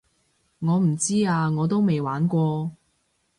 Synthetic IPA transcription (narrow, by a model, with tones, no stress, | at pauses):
ŋɔː˨˧m̩˨˩t͡siː˥aː˧ŋɔː˨˧t̪o˥wme˨jwaː˨˥nkʷɔː˧